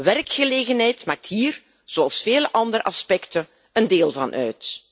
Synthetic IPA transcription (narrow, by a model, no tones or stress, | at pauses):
ʋɛrkxəleːɣənɦɛjtmaːk̚tɦiːr | z̥oɑlˠsfeːləʔɑndəɾəʔɑspɛktən | əndeːlˠvɑnʔœ̰ɥt